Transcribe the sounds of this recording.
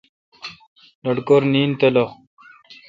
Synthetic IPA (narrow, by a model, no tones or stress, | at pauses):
lɐɖkoɾniːnt̪elo